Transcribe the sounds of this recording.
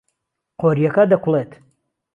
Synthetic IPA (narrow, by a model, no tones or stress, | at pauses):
qʰoɾijɐkɐd̪ɐkʷʰulet̪ʰ